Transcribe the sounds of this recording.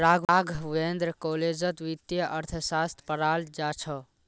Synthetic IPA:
ɾaɡaɡʱʋend̪ɾkoled͡ʒət̪ʋit̪jəʔəɾt̪ʰəsast̪ʰpəɾald͡ʒat͡ʃʰə

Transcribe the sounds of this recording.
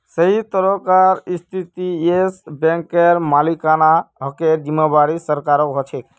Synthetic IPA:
səɦit̪əɾɔkaɾist̪ʰit̪iesbẽŋkeɾmalikanaɦɔkeɾd͡ʒimːabaɾisəɾkaɾɔkɦɔt͡ʃʰek

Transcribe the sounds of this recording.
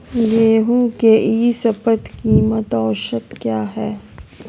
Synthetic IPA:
jeːɦũkeʔiːsɐfət̪kimɐt̪ɔːʃət̪kjaːɦɛː

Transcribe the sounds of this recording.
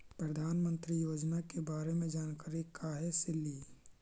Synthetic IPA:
pɾəd̪ʱaːnmə̃nt̪ɾijoːd͡ʒnakebaːɾemẽd͡ʒaːnkaːɾikaːɦɛsɪlːi

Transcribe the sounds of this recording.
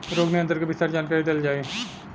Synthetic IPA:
ɾoːɡniə̃nd̪əɾkebɪst̪aːɾd͡ʒaːnkaːɾid̪eld͡ʒaːe

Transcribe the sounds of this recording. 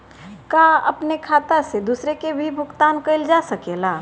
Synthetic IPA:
kaːɐpnekʰaːt̪ased̪uːsɾekebʱibʱʊkt̪aːnkɐɪld͡ʒasɐkelaː

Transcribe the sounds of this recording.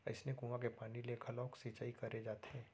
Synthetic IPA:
ə̰ɪsnekũːʋãk̬epaːnilekʰɐlɔːksit͡ʃaːikɐɾed͡ʒaːt̪ʰeː

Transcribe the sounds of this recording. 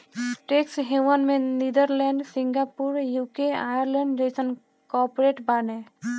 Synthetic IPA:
ʈeksɦewənmenid̪əɾlɛɳɖsiŋɡapuɾjukeajəɾlẽɳɖd͡ʒəjsən | kɔpoɾeʈbane

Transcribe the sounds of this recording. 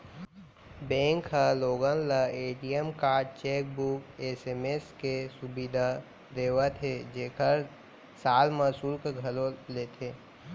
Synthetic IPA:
bɛ̃ːŋkɦaloːɡə̃nlaeːʈijəmkaːɾɖ̚t͡ʃeːk̚bukeseːmeskesʊbid̪ʱa | d̪eːwat̪ʰed͡ʒeːkʰəɾ | saːlmɐsuːlkeɡʱɐlolet̪ʰeː

